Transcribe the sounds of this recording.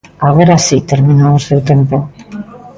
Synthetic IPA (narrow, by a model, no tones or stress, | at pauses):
aɣ̞oɾasit̪eɾmĩnoːsewt̪empo